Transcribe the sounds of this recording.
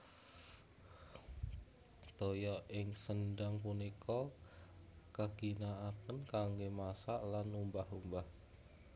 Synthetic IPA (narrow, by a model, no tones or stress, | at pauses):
t̪ojɔʔɪŋsənɖaŋpunikʰɔ | kaɡ̥i̤naapənkaŋɡemasaʔlanumbahumbah